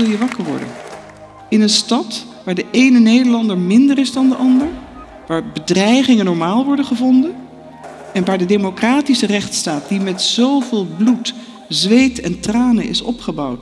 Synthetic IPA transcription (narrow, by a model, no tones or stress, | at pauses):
ɪlˠjəʋɑkəɹʋɔ̰ɹdə̰n | ɪnənstɑtʋaːɹdəʔejnənejdəɹlɑndəɹmɪndəɾɪzdɑndəʔɑndəɹ | ʋaːɹbədrɛjχɪŋənɔɹmaːlˠʋɔɹdəχəvɔndən | ɛnʋaːɹdədemokraːtisərɛχtstaːt̚dimɛtzowvɪːlˠblut | zʋejtɛ̰ntraːnə̰nʔɪ̰sɔ̰pχəbɑwt